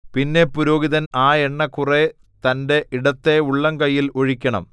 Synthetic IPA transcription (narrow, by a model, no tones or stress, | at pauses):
pinːe̞puɾo̞ːɡiðɐnaːeɳːɐkːure | t̪ɐnde̞ʔiɽɐt̪ːe̞uɭːɐŋkɐjːilo̞ɻikʲːɐɳɐ̰m